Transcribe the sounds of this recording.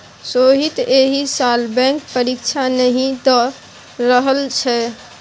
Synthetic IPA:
soɦit̪eɦisalbɛ̃ŋk̚pəɾikt͡ʃʰanəɦĩd̪ɔ | ɾəɦəlt͡ʃʰɛ

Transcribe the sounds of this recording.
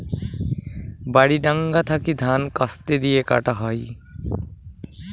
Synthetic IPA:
baɽiɖaŋɡat̪ʰakid̪ʱankast̪ed̪ijeka̰ʈaɦɔj

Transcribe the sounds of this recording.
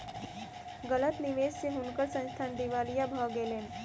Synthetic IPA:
ɡələt̪niʋest͡ɕeɦunkəɾsə̃ñst̪ʰand̪iʋalijabʱəɡelen

